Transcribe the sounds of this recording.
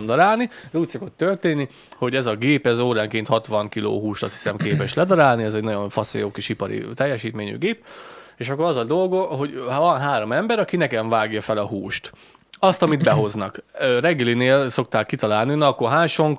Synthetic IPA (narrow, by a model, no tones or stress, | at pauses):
md̪ɒɾaːlniuːcʲso̞ko̞t̪ːørt̪eːnːi | ho̞ɟɛzɒɡeːpɛzoːɾaːŋkeːnt̪hɒt̪ʋɒŋkilo̰ːɦuːʃt̪ɒshi̥sɛmkeːpɛʃlɛd̪ɒɾaːlniɛzɛɟnɒɟoɱfɒsḛjoːkiʃipɒɾḭt̪ɛjːɛʃiːt̪meːɲy̰ɡeːp̚eːʃɒkːo̞ɾɒzɒd̪o̞lɡoɦo̞ɟvɒnɦaːɾo̞mɛmbɛɾɒkinɛkɛɱvaːɡjɒfɛlɒɦuːʃt̪ | ɒst̪ɒmid̪bɛɦo̞znɒkːrɛɡːɛlineːlso̞k̚t̪aːkːit̪ɒlaːlninɒkoɦaːnʃo̞ŋk